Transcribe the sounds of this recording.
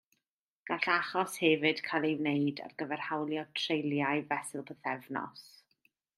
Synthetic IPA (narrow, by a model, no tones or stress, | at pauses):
ɡ̥aɬaχɔshɛvɨd̥kʰalˠejvnejda̰rɡəvɛr̥hawlˠjɔtʰr̥ejlˠjajvɛsɪlˠpʰəθɛvnɔ̰s